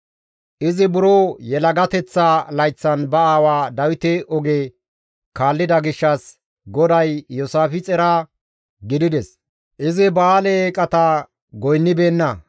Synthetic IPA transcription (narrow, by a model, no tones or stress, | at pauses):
ʔɪzɪbʊɾoːjɛlɐɡɐt̪ɛt͡sːaːlɐjt͡sːɐnbɐaːwaːd̪ɐwɪt̪ɛʔɔɡe | kaːlːɪd̪ɐɡɪʃːɐs | ɡɔd̪ɐjːɔsaːfɪt͡sʼɛɾa | ɡɪd̪ɪd̪ɛs | ʔɪzɪbaːlɛkʼɐt̪ɐ | ɡɔjnːɪbeːnːɐ